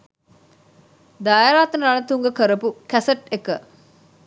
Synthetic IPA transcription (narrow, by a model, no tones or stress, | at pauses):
d̪aːjɾaːt̪nəɾanət̪uŋɡəkəɾəpukæsəʈekə